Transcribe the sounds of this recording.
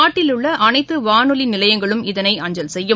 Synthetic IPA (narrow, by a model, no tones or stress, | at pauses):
aːʈːɪlɯɭːɐʔɐnɐɪt̪ːɯʋaːnɯlɪnɪlɐjɐŋɡɐɭɯmɪðɐnɐɪɐɲd͡ʒɐlsɛjːɯ